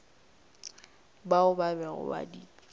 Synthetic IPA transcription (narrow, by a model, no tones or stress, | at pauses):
baʊbabɛɣʊ̰ba̰di